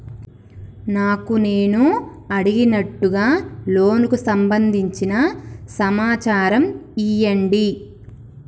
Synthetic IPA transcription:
naːkune̞ːnu | ɐɽiɡinɐʈːuɡaːlo̞ːnukusɐmbɐnd̪ʱiɲt͡ʃinɐsɐmaːt͡ʃaːɾɐmijɐɳɖi

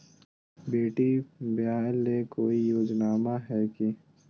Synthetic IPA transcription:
beːʈibɪjaːɪlːekoːijoːd͡ʒnaːmaɦɛːki

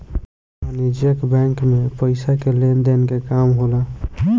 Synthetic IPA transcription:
anid͡ʒjəkbɛ̃ŋkmepəɪsakelend̪enkekamɦola

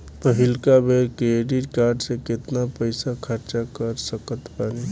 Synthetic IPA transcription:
pəɦilkabeɾkeeɖiɾkaːɾɖsekɪt̪napəjsakʰəɾt͡ʃakəɾsəkət̪paːni

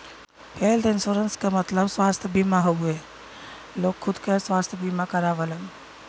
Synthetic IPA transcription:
pʰeːld̪ɪnsoɾənskamət̪ləbswaːst̪ʰjəbiːmaɦoe | loːɡkʰːʊd̪kəswaːst̪ʰjəbimakəɾaʋələn

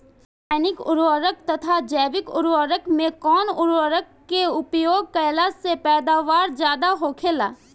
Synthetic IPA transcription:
ɛnɪkʊ̰ɾʋəɾək̚t̪ɐt̪ʰad͡ʒɛːʋɪkʊ̰ɾʋəɾəkmẽkɔːnʊɾəɾəkːeʊpjoːɡ̚kəjlasepɛːd̪aːʋaːɾd͡ʒjaːd̪aɦoːkʰeːlaː

